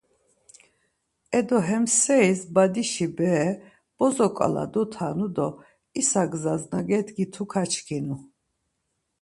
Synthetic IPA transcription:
ɛd̪ɔɦɛmsɛisbad̪iʃibɛː | b̥ɔzɔkʼa̰la̰d̪ɔt̪ʰaːnud̪ɔ | isaɡzaznaɡɛt̪ɡit̪ʰukʰat͡ʃʰkʰinu

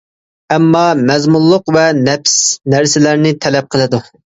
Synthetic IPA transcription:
ɛmːɑmɛzmullˠːʊqvɛnɛpsnæɾsɪlæɾnɪt̪ʰɛlɛp̚qʰəlˠɨd̪u

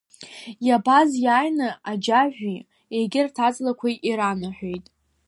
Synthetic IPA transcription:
jabazjaːjnɨad͡ʒaʒʷᶣi | ejɡʲɪrtʰat͡sʼlakʷʰaʔiɾanaħʷᶣejtʼ

